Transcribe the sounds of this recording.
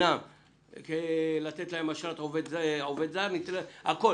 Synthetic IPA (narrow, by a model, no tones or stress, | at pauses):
a | kelat̪et̪laemaʃalat̪aoved̪zaaoved̪zaɾnit̪leako̞